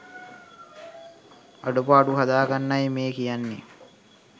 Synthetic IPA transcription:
ɐɖupaːɖuɦɐd̪aːɡɐnːɐjmeːkijanːḭ

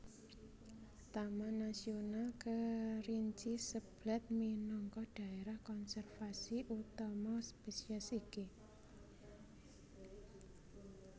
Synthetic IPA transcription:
t̪amanasionalkəriɲt͡ʃisəb̥lɛt̪̚minɔŋkɔɖ̥a̤eɾahkɔnsɛrfasiʔut̪ɔmɔspesiasiki

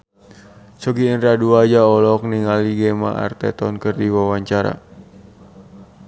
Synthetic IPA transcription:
sɔɡiːnraduad͡ʒaɔlɔk̚niŋaliɡɛma̰a̰rt̪ɛ̰t̪ɔnkɨrdiwawaɲt͡ʃaɾa̰

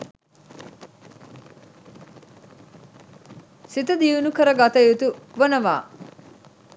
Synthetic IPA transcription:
sit̪ɐd̪iunukɐɾɐɡat̪ɐjut̪uʋonɐʋa̰ː

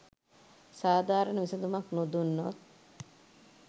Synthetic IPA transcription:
saːd̪aːɾənəʋisɐd̪umɐknud̪unːo

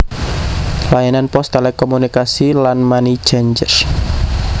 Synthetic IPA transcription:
lajananpɔst̪elɛkɔmunikasilanmani̥d͡ʒ̥aɲd͡ʒər

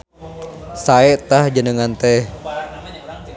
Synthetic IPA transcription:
saɛʔt̪ahd͡ʒənəŋant̪ɛh

